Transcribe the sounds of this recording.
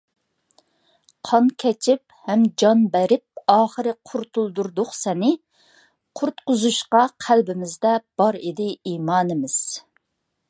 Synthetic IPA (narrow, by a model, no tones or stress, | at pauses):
qʰɑnkʲʰɛt͡ʃʰɪp̚hɛmd͡ʒɑnbæɾɪp̚ɑːχəɾɨqʰʊɾt̪ulˠd̪uɾd̪ʊχsɛnɪ | qʰʊɾt̪qʊzuʃqɑqʰælbɪmɪzd̪ɛb̥ɑɾed̪ɪiːmɑːnɪmɪz̥